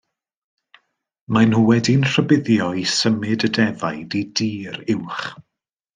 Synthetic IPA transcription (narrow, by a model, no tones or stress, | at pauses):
manhuwɛdinr̥əbɪðjɔisəmɨdədɛvajdidiːɾɪwχ